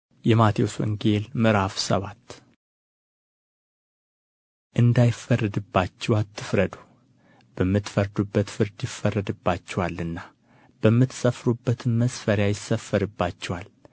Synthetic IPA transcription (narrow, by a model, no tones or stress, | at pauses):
jɛmat̪ʰiwoswɨ̰ŋɡelmɨɾafsə̰βat̪ː | ʔɨnd̪ajɪfərːɨd̪ɨbːat͡ʃːɛwat̪ʰːɨfɾəd̪u | b̥əmːɨt̪fəɾd̪ubːət̪fɨɾd̪jɪfːərːəd̪ɨbːat͡ʃːɛwalːɨnːa | b̥əmːɨt̪səfɾubːət̪ʰɨnməsfəɾjajɪsːəfːəɾɨbːat͡ʃːɛwal